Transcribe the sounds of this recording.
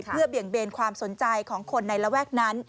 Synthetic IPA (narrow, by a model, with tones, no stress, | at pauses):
ɯ˥˩ɐbi˨˩əŋbeː˧nkʰwaː˧mso˩˦nt͡ɕa˧jkʰɔː˩˦ŋkʰo˧nːa˧jɾa˧wɛː˥˩k̚na˦˥n